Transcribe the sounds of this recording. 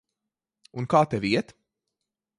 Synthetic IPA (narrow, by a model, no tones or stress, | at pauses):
unkaːt̪ɛviɛt̪